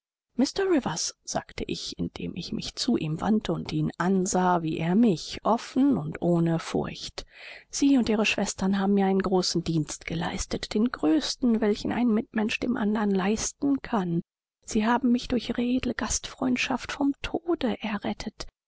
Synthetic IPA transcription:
mɪstɐʁɪvɐsz̥a̰ːktʰəʔɪçɪ̰nd̥ḛːmʔɪ̰çmɪ̰çt͡suːʔiːmva̰ntʰəʊntiːnʔanzaːviːʔeːɐmɪçʔɔfn̩ʊntʔoːnəfʊ̰ɐçtz̥iːʊntʔiːʁəʃv̥ɛstɐnɦaːbm̩miːɐaɪnənɡʁoːsn̩diːnstɡ̥əla̰ɪstətd̥eːnɡʁøːstn̩vɛlçn̩ʔa̰ɪnmɪtmɛnʃd̥ḛːmʔa̰ndɐnlaɪstn̩kʰan | z̥iːɦaːbm̩mɪçd̥ʊɐçʁeːdl̩əɡ̥astfʁ̥ɔʏntʃaftfɔmtʰoːdəʔɛɐʁɛtʰət

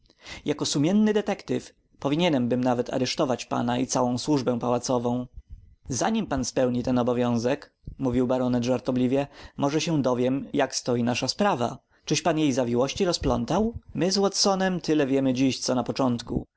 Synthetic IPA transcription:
jakɔsumʲjɛnːɘd̪ɛt̪ɛkt̪ɘf | pɔvʲiɲɛnɛmbɘmnavɛt̪ʰa̰ɾɛʂt̪ɔvat͡ɕpa̰naʔit̪sawɔ̃w̃swuʐbɛ̃w̃pawat̪sɔvɔ̃w̃zaɲimpanspɛwɲit̪ɛnɔbɔvʲjɔ̃w̃zɛk | muvʲiwbaɾɔnɛd̪ʐaɾt̪ɔblʲivʲjɛmʔɔʐɛɕɛd̪ɔvʲjɛmjakst̪ɔjinaʂaspɾava̰ | t͡ʂɘʂpanjejzavʲiwɔɕt͡ɕiɾɔsplɔnt̪awmɘzwɔt̪sɔnɛmt̪ɘlɛvʲjɛmɘd͡ʑiɕt̪sɔnapɔt͡ʂɔnt̪kṵ

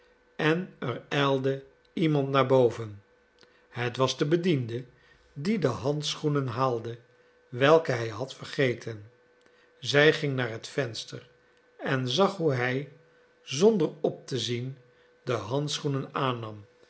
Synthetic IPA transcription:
ɛnərɛlˠdə | imɑntnaːɹbowvən | hətʋɑzdəbədində | didəɦɑntsχunənɦaːlˠdə | ʋɛlˠkəɦɛjɦɑtfəɹχejtʰən | zɛjχɪŋnaːɹɦətfɛnstər | ɛnzɑχɦuɦɛj | zɔndəɹɔp̚təzin | dəɦɑntsχunənaːnɑm

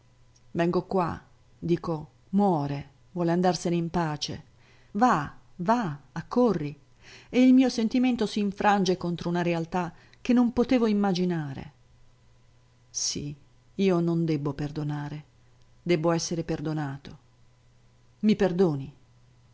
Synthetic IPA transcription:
vɛŋɡokwa̰ | d̪iːko | mwɔːɾe | vwɔːleand̪arseneimpaːt͡ʃḛ | vavaakːorːi | eilmiːosent̪iment̪osiːɱfɾʔand͡ʒekont̪ɾounaɾealt̪a | k̟ːenːompot̪eːvoimːad͡ʒinaːɾḛ | sḭ | iːonond̪ɛbːoperd̪onaːɾe | d̪ɛbːoɛsːeɾeperd̪onaːt̪o | miperd̪oːni

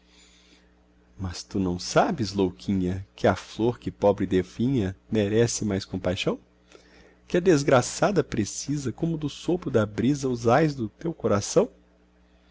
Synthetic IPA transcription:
mɐst̪unɐ̃w̃sabɪzlowkʰĩɲɐkɪɐfloɾkɪpɔbɾɪd̪efĩɲɐmeɾɛsɪmajskõpajʃɐ̃w̃ | kɪɐd̪ezɡɾasad̪ɐpɾesizɐkõmʊd̪ʊsopɾʊd̪ɐbɾizɐʊzajzd̪ʊt̪ewkoɾasɐ̃w̃

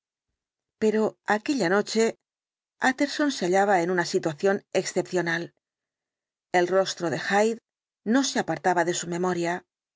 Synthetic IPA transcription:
pe̞ɾo̞ake̞ʎano̞t͡ʃe̞ | at̪e̞ɾso̞nseaʎaβ̞ae̞nunasit̪waθjo̞ne̞ksθe̞pθjo̞nal | e̞lro̞st̪ɾo̞ðe̞xajð | no̞seapaɾt̪aβaðe̞sumẽ̞mo̞ɾja

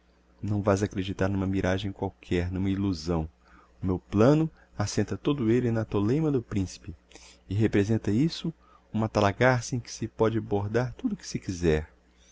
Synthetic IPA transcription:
nɐ̃w̃vajzakɾed͡ʒit̪aɾnũmɐmiɾaʒẽj̃kwawkʰɛɾnũmɐiluzɐ̃w̃ | ʊmewplɐ̃nʊ | asẽnt̪ɐt̪od̪ʊelɪnɐt̪olẽjmɐd̪ʊpɾĩsi̥pɪɪɦepɾezẽnt̪ɐisʊ | ũmɐt̪alaɡaɾsẽj̃kɪ̥sɪpɔd͡ʒɪaboɾd̪aɾt̪ud̪ʊkɪ̥sɪkizɛɾ

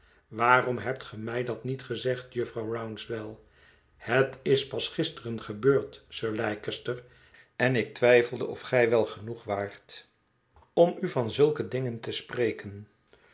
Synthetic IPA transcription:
ʋaːrɔmɦɛp̚tχəmɛjdɑtnitχəzɛχtjɵfrɑwrawnsʋɛlˠ | hətɪspɑsχɪstərənχəbøːɹtsøːɹlɛjkəstəɹ | ɛnɪk̚tʋɛjfəlˠdəʔɔfχɛjʋɛlˠχənuχʋaːɹt | ɔmyvɑnzɵlˠkədɪŋəntəsprejkən

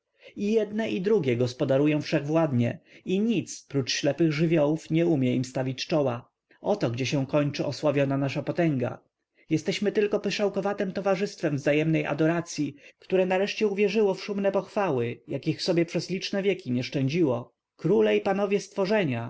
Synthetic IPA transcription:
ijɛd̪nɛʔid̪ɾuɡʲjɛɡɔspɔd̪aɾujɔ̃w̃fʂɛɣvwad̪ɲɛ̰iɲit̪spɾut͡ʂɕlɛpɘɣʐɘvʲjɔwufɲɛumʲjɛimst̪avʲit͡ɕt͡ʂɔwa | ʔɔt̪ɔɡd͡ʑɛɕɛ̃kɔɲt͡ʂɘʔɔswavʲjɔnanaʂapɔt̪ɛŋɡa̰ | jɛst̪ɛɕmɘt̪ɘlkɔpɨʂawkɔvat̪ɛmt̪ɔvaʐɘst̪fɛmvzajɛmnɛjʔa̰d̪ɔɾat̪sʲjikt̪uɾɛnaɾɛʂt͡ɕɛuvʲjɛʐɘwɔfʂumnɛpɔxfawɘjakʲixfsɔbʲjɛpʂɛzlʲit͡ʂnɛvʲjɛkʲiɲɛʂt͡ʂɛɲd͡ʑiwɔ | kɾulɛipan̪ɔvʲjɛst̪fɔʐɛɲa

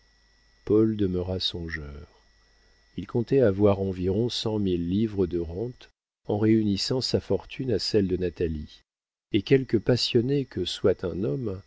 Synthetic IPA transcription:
pɔld̪əməʁasɔ̃ʒœːʁ | ilkɔ̃t̪ɛavwaʁɑ̃viʁɔ̃sɑ̃milːivʁəd̪əʁɑ̃t̪ | ɑ̃ʁeynisɑ̃safɔʁt̪ʰynasɛld̪ənat̪ali | ekʲɛlkəpasjɔnekəswat̪ɛ̃nɔm

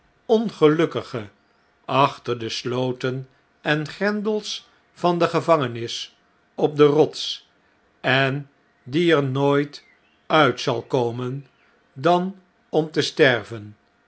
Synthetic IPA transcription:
ɔnχəlɵkəχə | ʔɑχtəɹdəslowtən | ɛnχɛndəlˠs | fɑndəχəvɑŋənɪs | ɔp̚dərɔts | ɛn | diɛɹnoːjt | œɥtsɑ̰lˠkowmən | dɑn | ɔmtəstɛɹvən

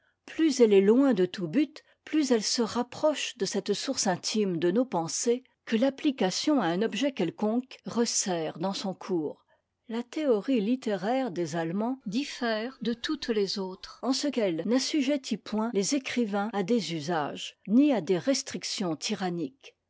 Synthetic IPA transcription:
plyzɛlɛlwɛ̃d̪ət̪ubyt̪ | plyzɛlsəʁapχɔʃd̪əsɛt̪suʁsɛ̃t̪ʰimd̪ənopɑ̃se | kəlaplikasjɔ̃aɛ̃nɔbʒɛkʲɛlkɔ̃kʁəsɛʁd̪ɑ̃sɔ̃kʰuːʁ | lat̪eɔʁilit̪eʁɛʁd̪ezalmɑ̃d̪ifɛːʁd̪ət̪ut̪lezoːt̪χɑ̃səkɛlnəsyʒet̪ʰipwɛ̃lezekχivɛ̃ad̪ezyza̰ʒniad̪eʁɛst̪χiksjɔ̃t̪ʰiʁanik

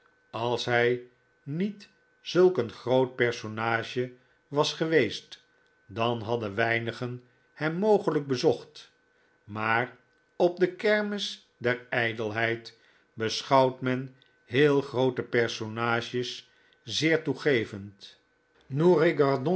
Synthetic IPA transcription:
ɑlˠsɦɛj | nit | zɵlˠkənχrowt̚pɛɹsonaːʒə | ʋɑsχəʋejst | dɑnɦɑdəʋɛjnəχən | hɛmːowχələɡ̚bəzɔχt | maːr | ɔb̚dəkɛɹmɪs | dɛɹɛjdəlˠɦɛjt | bəsχɑwtmɛn | ɦɪːlˠχrowtəpɛɹsonaːʒəs | zɪːɹtuχejvənt | nureɡɑʁdɔ̃

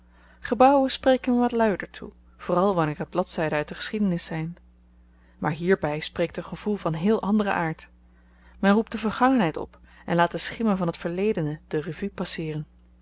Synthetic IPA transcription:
χəbɑwənsprejkənɛɹʋɑtlœɥdəɹtʰṵ | v̥oːrɑlˠʋɑnɪːɹəd̚blɑtsɛjdəœɥt̚dəχə̥sχidənɪsːɛjn | maːɹɦiːɹbɛjsprejk̚tənχəv̥ulˠvɑnɦɪːlˠʔɑndərə̰ʔaːɹt | mɛnrup̚dəvəɹχɑŋənɦɛjtɔ̰pɛnlaːtəsχɪmənvɑnɦətfəɹlejdənəd̥ərəvypɑsɪːrən

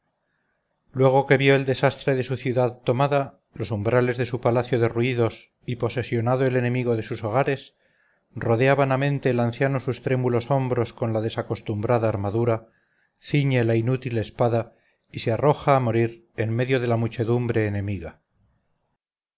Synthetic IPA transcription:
lwe̞ɣ̞o̞ke̞βjo̞e̞ld̪e̞sast̪ɾe̞ðe̞suθjuðaðt̪o̞maða | lo̞sumbɾale̞zðe̞supalaθjo̞ðe̞ruiðo̞s | ipo̞se̞sjo̞naðoe̞le̞nẽ̞miɣo̞ðe̞suso̞ɣ̞aɾe̞s | ro̞ðe̞aβanamẽ̞nt̪e̞ːlanθjanosust̪ɾe̞mulo̞so̞mbɾo̞sko̞nlaðe̞sako̞st̪umbɾaðaːɾmaðuɾa | θiɲe̞lainut̪ile̞spaða | isearo̞xaːmo̞ɾiɾ | e̞nme̞ðjo̞ð̞e̞lamut͡ʃe̞ðumbɾe̞ːne̞miɣa

